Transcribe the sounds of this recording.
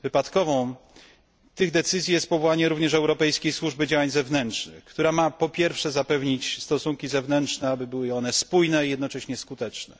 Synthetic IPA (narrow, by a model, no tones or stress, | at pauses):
vɘpat̪kɔvɔ̃w̃ | t̪ɘɣd̪ɛt̪sɘzʲjijɛst̪̚pɔvɔwaɲɛɾuvɲɛʂɛwɾɔpɛjskʲejswuʐbɘd͡ʑawaɲzɛvnɛntʂnɘ̰xkt̪uɾamapɔpʲjɛɾfʂɛzapɛvɲit͡ɕst̪ɔsuŋkʲizɛvnɛntʂnɛabɘbɘwɘɔnɛspujnɛijɛd̪nɔt͡ʂɛɕɲɛskut̪ɛt͡ʂnɛ̰